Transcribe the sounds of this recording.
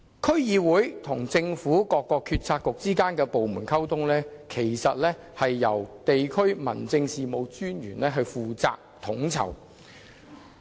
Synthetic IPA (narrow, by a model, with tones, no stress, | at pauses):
kʰɵ˥ɥjiː˧wuː˨˥jt̪ʰʊ˨˩ŋt͡sɪ˧ŋfuː˨˥kɔː˧kːɔː˧kʰyː˧t̚t͡sʰaː˧kːʊ˨k̚t͡siː˥kaː˥nkɛː˧po˨wmuː˨˩nkʰɐ˥wt̪ʰʊ˥ŋlɛː˥kʰe˨˩jsɐ˨t̚lɛː˥ | hɐ˨jːɐ˨˩wt̪e˨jkʰɵ˥ɥmɐ̰˨˩nt͡sɪ˧ŋsiː˨mo˨˧wt͡ʃyː˥nɥyː˨˩nlɛː˥ɦɵ˧ɥfuː˨t͡sa̰ː˧k̚t̪ʰʊ˨˥ŋt͡sʰɐ̰˨˩w